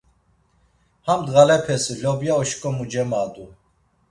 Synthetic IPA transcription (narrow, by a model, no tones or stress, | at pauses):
hamd̪ɣalɛpʰɛsilɔbjaɔʃkʼɔmud͡ʒɛmad̪u